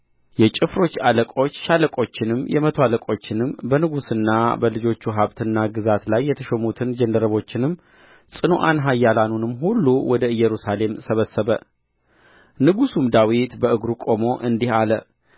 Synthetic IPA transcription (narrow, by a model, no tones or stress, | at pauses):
jɛt͡ʃʼɪfɾo̞t͡ʃːaləkʼo̞t͡ʃːʃaləkʼo̞t͡ʃːɪnɨmjɛmət̪ʰoaləkʼo̞t͡ʃːɪnɨmbənɨɡusɨnːabəlɨd͡ʒo̞t͡ʃːuɦaβt̪ʰɨnːaɡɨzat̪lajːɛt̪ʰəʃɛmut̪ʰɨnd͡ʒɛnd̪əɾəβo̞t͡ʃːɪnɨmː | sʼɨnoʔa̰nɦajːalanunɨmːɦulːuwʔɔd̪əɨjːɛɾusale̞msəβəsːəβə | nɨɡusumd̪awit̪bəɨɡɾukʼo̞mo̞ʔɨnd̪ihalə